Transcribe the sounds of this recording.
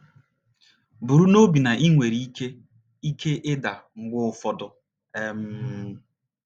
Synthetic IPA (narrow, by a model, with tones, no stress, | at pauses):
bu˨ɾu˦no˦bi˨na˨ʔi˦ŋʷe˨ɾi˨˦i˦ke˦ | i˦kʰe˦ʔɪ˦da˨ŋ͡m̩˦ɡ͡bʊ˦fɔ˨dʊ˨ | e˦m̩˦